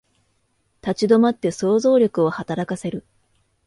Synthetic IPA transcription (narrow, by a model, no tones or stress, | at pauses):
t̪at͡ɕid̪o̞mat̪ːe̞so̞ːzo̞ːɾʲo̞kɯ̟o̞hat̪aɾakase̞ɾɯ̟